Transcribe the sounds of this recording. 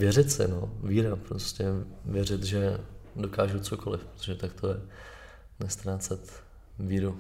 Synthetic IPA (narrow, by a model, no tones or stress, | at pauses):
vjɛrɪt̪sɪ̰noviːɾapɾoscɛvjɛrɪt̪ʒɛdo̞kaːʒut͡sokolɪfpɾot̪oʒɛt̪akt̪ʰojɛ | nɛst̪ɾaːt͡sɛt̪ | viːɾu